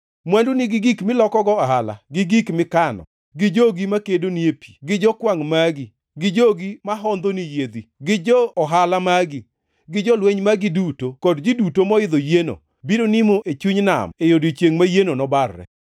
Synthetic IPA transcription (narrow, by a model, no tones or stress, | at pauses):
mwɛndunɪɡɪɡikmɪlɔkɔɡɔaɦala̰ɡɪɡikmɪkanɔ̰ | ɡɪd͡ʒoɡimakedoniepʰi̥ɡɪd͡ʒɔkwaŋmaɡi | ɡɪd͡ʒoɡimaɦɔnd̪onijed̪iɡɪd͡ʒɔːɦalamaɡɪ | ɡɪd͡ʒɔlweɲmaɡidutokɔdɡidutomɔɪd̪ojeno̰ | biɾonɪmoʔet͡ʃuɲna̰mejodit͡ʃjeŋmajenonɔbarːɛ̰